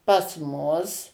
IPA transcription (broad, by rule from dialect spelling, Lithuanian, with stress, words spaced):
pɐs ˈmʊs